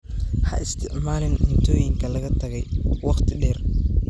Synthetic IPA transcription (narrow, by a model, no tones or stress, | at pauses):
hɐ̰ʔɪst̪ʰɪʕmaːlɪnmʊnt̪ʰɔːjɪŋkʰɐlɐɣɐt̪ʰɐɣɛjwɑqt̪ʰɪɖɛːr